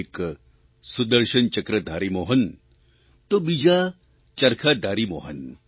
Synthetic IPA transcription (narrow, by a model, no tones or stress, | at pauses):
k | sud̪ɐɾʃənt͡ʃɐkɾəd̪ʱaːɾimoːɦɐn | t̪obid͡ʒa | t͡ʃɐɾkʰaːd̪ʱaːɾimoɦɐ̰n